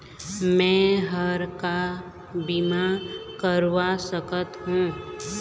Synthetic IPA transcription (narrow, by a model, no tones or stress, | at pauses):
mɛ̃ːɦəɾka | bimakəɾwasəkət̪ɦũː